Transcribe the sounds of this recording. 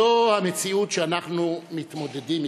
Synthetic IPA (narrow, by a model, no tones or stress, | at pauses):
ohamet͡siut̪ʃeanaχnumit̪mod̪ed̪im